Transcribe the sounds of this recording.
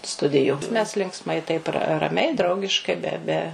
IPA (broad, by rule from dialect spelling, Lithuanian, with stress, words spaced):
ˈstʊdʲɪjʊ mʲɛs lʲɪŋkˈsmɐɪ tɐɪp rɐ rɐˈmʲɛɪ ˈdrɐʊɡʲɪʃkɐɪ ˈbʲɛ ˈbʲɛ